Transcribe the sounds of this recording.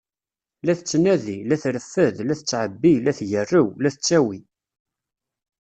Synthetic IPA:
læθət͡sːnæðilæθɾəfːəðlæθət͡sːʕəbːilæθʝərːəwlæθət͡sːæwi

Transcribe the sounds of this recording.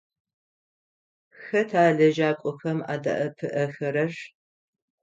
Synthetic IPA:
xɐtʰaːɮɐʒaːkʷʼɔxɐma̰ːdɐ̰ʔɐpʰɨʔɐxɐɾɐr

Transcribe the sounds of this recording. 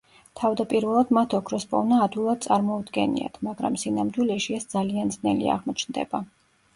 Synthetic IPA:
t̪ʰavd̪apʼiɾvɛlˠad̪mat̪ʰɔkʰɾɔspʼɔ̰vnaːd̪wilˠad̪̚t̪sʼaɾmɔud̪ɡɛ̰nḭa̰t̪ʰmaɡɾa̰msinamd̪wilɛʃiɛsd̪zaliand̪znɛlḭa̰ʁmɔt͡ʃʰnd̪ɛ̰ba

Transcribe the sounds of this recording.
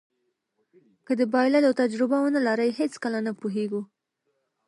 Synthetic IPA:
kəd̪əbɑjlalawt̪ad͡ʒɾɪbawonalaɾəjhet͡skəlanapuɦeɡu

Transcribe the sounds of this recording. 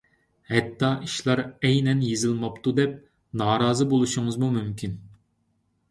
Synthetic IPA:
hɛt̪ʰːɑʔiʃlˠɑɾɛjnɛnjezɪlˠmɑpt̪ʰud̪ɛp̚ | nɑːɾɑːzɨbolˠuʃuŋɨzmumymkʲin

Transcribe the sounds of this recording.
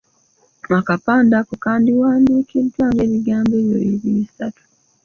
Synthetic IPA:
akapaːndakukaːndiwaːndiːkʰeːntwaːŋɡe̞ːβiɡaːmbeβjo̰iβisatu̥

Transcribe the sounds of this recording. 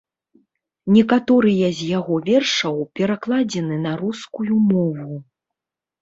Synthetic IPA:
nʲɛkat̪ɔɾɨjɐzʲjaɣɔvʲɛrʂɐwpʲɛɾaklˠad͡zʲɛnɨnɐɾuskujumɔvu

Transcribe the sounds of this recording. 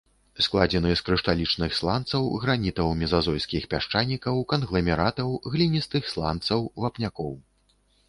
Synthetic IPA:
sklˠad͡zʲɛnɨskɾɨʂt̪alʲit͡ʂnɨxslˠant̪sɐwɣɾanʲit̪ɐwmʲɛzazɔjskʲixpʲaʂt͡ʂanʲikɐwkɐnɣlˠɐmʲɛɾat̪ɐwɣlʲinʲist̪ɨxslˠa̰nt̪sɐwvapnʲakɔw

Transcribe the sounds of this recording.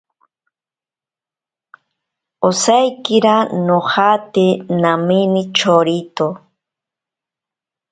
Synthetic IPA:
osajkɪɾanohat̪enaminɪt͡ʃoɾit̪o

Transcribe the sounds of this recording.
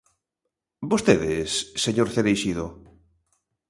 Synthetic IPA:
bost̪eðesːeɲoɾθeɾejʃiðo

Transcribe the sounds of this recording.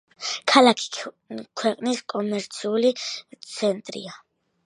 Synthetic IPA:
kʰalakʰi̥ | kʰwɛqʼniskʼɔmɛɾt̪sʰiulit̪sʰɛnt̪ʼɾḭa

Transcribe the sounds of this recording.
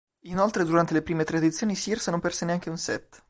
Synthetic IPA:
inolt̪ɾed̪uɾant̪elepɾiːmet̪ɾad̪it̪sːjoːnisirsnõmpɛrseneaŋkeunsɛ̰t̪ː

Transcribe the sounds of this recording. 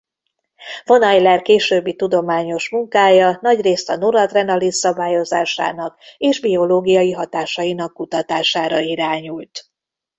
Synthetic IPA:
vo̞nɒjlɛrkeːʃøːbːit̪ud̪o̞maːɲo̞ʃmuŋkaːjɒnɒɟreːst̪ɒnuɾɒt̪rɛnɒlisːɒbaːjo̞za̰ːʃa̰ːnɒkeːʒbio̞loːɡijɒjiɦɒt̪aːʃɒinɒkːut̪ɒt̪aːʃaːɾɒiɾaːɲult̪

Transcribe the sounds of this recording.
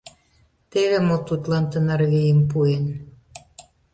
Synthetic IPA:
t̪eβemot̪ut̪lɑnt̪ənɑrβijəmpuen

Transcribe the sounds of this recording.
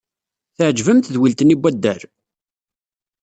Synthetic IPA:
θəʕd͡ʒvəmt̪ðwilt̪ənibʷːæd̪ːæɾ

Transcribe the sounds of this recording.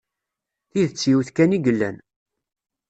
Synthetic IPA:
θiðət͡sːjiwθkæniɡəlːæ̰n

